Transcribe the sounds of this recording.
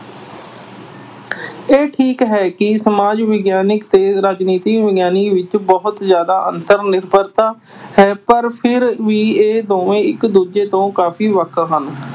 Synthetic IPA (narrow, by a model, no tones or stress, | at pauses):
eːʈʰiːkɦɛːkɪsəmaːd͡ʒʋɪɡjaːnɪkt̪eːɾaːd͡ʒniːt̪iːʋɪɡjaːniːʋɪt͡ʃbɔɦʊt̪zjaːd̪aːʔə̰nt̪əɾnɪɾbəɾt̪aː | hɛːpəɾpʰɪɾʋiːeːd̪oːʋẽːɪkd̪uːd͡ʒeːt̪õːkaːpʰiːʋəkʰɦən